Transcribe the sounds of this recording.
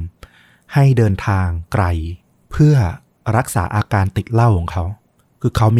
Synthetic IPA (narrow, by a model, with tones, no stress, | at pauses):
ha˥˩jdɤː˧nt̪ʰaː˧ŋkɾa˧j | pʰɯ˥˩ɐ | ɾa˦˥k̚sa̰ː˩˦ʔaː˧kaː˧nt̪i˨˩t̪̚la˥˩wkʰɔ˩˦ŋkʰa˦˥w | kʰɯː˧kʰa˦˥wmiː˧